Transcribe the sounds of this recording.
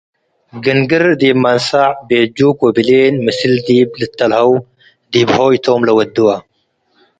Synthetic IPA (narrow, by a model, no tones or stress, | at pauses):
ɡɨnɡɨɾd̪imːansaʕbed͡ʒukobilenmɨsɨld̪iblɨt̪ʰːɐlħɐw | d̪ibħoit̪ʰomlɐwɐd̪ːuwa